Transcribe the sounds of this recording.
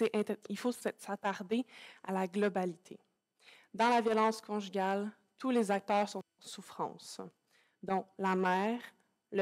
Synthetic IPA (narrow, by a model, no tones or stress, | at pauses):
sɛʔɛ̃t̪ilfossat̪aʁd̪ealaɡlɔbalit̪ʰe | d̪ɑ̃lavjɔlɑ̃ːskʰɔ̃ʒyɡʲal | t̪ʰulezak̚t̪œːʁsɔ̃ɑ̃sufχɑ̰̃ːs | d̪ɔ̃lamɛːʁ | lə